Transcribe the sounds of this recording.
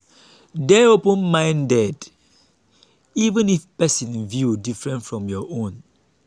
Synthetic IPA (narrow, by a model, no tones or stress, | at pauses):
dɛɹopə̃nmãɪ̃ndɛd | ivə̃nifpɛsĩnvjudifɹɛ̃ntfɹɔ̃mjɔʔõn